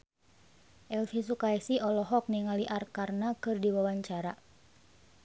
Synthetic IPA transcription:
ʔɛlfis̬ukaɛsiɔlɔɦɔk̚niŋaliʔarkarnakɨrdiwawaɲt͡ʃaɾa

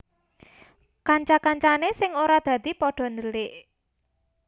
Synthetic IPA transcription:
kaɲt͡ʃakaɲt͡ʃanesɪŋoɾad̪̥ä̤d̪̥i̤pɔɖ̥ɔ̤nd̪əlɪʔ

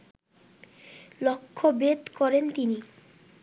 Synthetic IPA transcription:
lokʰːobet̪kɔɾent̪ini

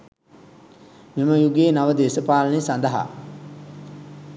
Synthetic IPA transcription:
miməjuɡeːnaʋəd̪eːsəpaːlənesand̪əɦa̰

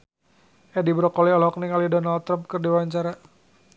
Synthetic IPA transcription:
ʔɛdibɾɔkɔliɔlɦɔkniŋalidɔnald̪t̪ːɾamp̚kɨrdiwaɲt͡ʃaɾa

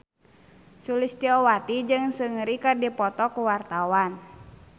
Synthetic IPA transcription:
sulɪst̪iɔwat̪id͡ʒɨŋsɨŋɾikɨrdipɔt̪ɔkuwart̪awan

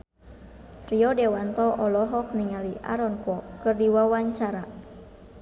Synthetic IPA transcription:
riɔdɛwant̪ɔʔɔlɔɦɔk̚niŋaliʔa̰ɾɔnkwɔkɨrdiwawaɲt͡ʃaɾa

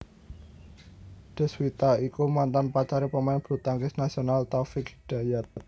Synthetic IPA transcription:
ɖ̪̥ə̤swit̪aikumant̪anpat͡ʃaɾipəmaɪnb̥ɾṳt̪aŋkɪsnasionalt̪afɪkɖ̥a̤jat̪

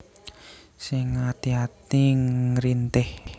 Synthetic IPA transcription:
sɪŋːat̪iɦat̪iɾint̪ɪh

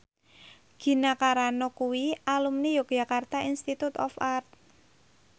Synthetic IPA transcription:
ɡ̥i̤nakaɾanɔkuwialumnijok̚ʒ̥a̤kart̪aʔinst̪it̪ut̪ɔ̰fart̪̚

